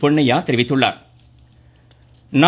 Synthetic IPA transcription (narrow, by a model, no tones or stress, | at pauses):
pɔɳːɐjaːt̪ɛɾɪʋɪt̪ːɯɭːa̰ːɾ | na